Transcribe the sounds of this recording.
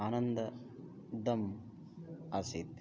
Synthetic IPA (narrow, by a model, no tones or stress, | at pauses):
aːnɐnd̪ɐ | d̪ɐm | ɐsit̪